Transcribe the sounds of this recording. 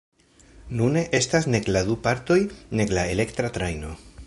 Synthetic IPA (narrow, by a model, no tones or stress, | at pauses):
nune̞ʔestasne̞kladupaɾt̪o̞jne̞klaele̞kt̪ɾat̪ɾajno̞